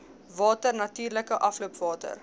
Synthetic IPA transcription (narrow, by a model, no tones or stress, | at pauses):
vɑːtərnɐtiːrləkəʔɐfluəpvɑːtə̰r